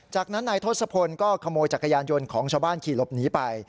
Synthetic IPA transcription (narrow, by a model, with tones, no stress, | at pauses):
t͡ɕaː˨˩k̚na˦˥nːaː˧jt̪ʰoː˥˩t̪̚sa˧pʰo˧nkɔː˥˩kʰa˧moː˧jt͡ɕaː˨˩kʰːa˧jaː˧njo˧nkʰɔː˩˦ŋt͡ɕʰaː˧wbaː˥˩nkʰiː˨˩lo˨˦˩p̚niː˦˥pa˧j